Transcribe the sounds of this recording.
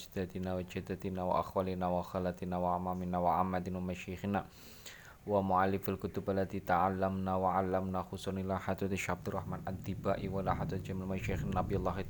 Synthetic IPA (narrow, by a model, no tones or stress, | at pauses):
d͡ʒd̪at̪inawad͡ʒad̪at̪inawa̰ʔaxwalinawaxalat̪inawaʕamaminawaʕamːad̪inwamaʃixina | wamuʕalːɪfalkʊt̪ʊbalːat̪it̪aʕalːamnawaʕalːamnaxusɔnilaħat̪ɔt̪iʃab̚d̪ɪraħmanʔad̪ibaʔiwalaħat̪at̪d͡ʒamilmaʃaxnanabijalˤːaɦi